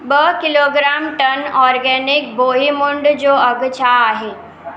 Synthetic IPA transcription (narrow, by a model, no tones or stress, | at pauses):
bəkɪloɡɾaːmʈənɔːɾɡɛnɪk̚boɦimʊɳɖd͡ʑoəɡt͡ɕʰaaɦe